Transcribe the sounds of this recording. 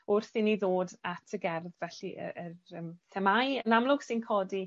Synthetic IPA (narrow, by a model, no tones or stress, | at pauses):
ʊrθiniðoːdatʰəɡɛrðvɛɬiʔə̰ərəːmθʰɛmajənamlˠʊɡ̥sɪnkʰɔdi